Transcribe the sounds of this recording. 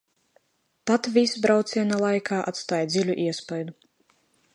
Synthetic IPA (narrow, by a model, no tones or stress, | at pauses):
t̪at̪vʲisbɾawt̪sʲiɛnalˠajkʰaːʔa̰t̪st̪aːjd̪zʲilʲuʔiɛspajd̪u